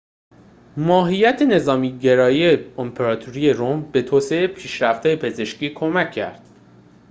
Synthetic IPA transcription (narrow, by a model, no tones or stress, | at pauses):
mɒːɦijæt̪ʰe̞ne̞zɒːmiːɟe̞ɾɒːjieempʰeɾɒːt̪ʰuɾiːe̞ɾombe̞t̪ʰoːse̞epʰiːʃɾæft̪hɒːjepʰe̞ze̞ʃciːkʰo̞mæcʰːæ̰ɾd̪̥